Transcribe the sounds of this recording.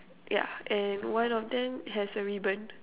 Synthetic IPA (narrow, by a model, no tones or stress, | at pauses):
ja̰ʔɛ̃nwãnɔfdɛ̃mɦɛsəɹibə̃n